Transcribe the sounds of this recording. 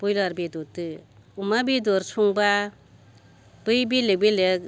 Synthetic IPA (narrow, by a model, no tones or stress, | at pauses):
b̥ujlaɾbidɔtɯumabidɔɾsʰuŋba | b̥ɯjbilebilek̚